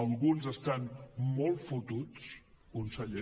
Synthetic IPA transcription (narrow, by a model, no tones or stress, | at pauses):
əlˠɣunzəst̪anmɔlˠfut̪ut͡s | kunsəʎe